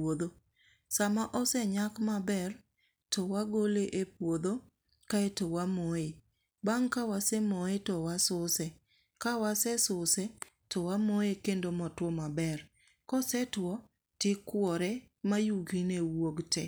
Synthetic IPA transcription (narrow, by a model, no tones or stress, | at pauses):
od̪o | samaʔɔsɛɲakmabɛr | tɔwaɡoleʔepwod̪o | kaetowamoe | baŋkawasɛmoetɔwasʊsɛ | kawasɛsʊsɛ | tɔwamoekendomɔtwɔmabɛr | kɔsɛtwɔ | tɪkwɔɾɛ | majuɡinewoɡtɛ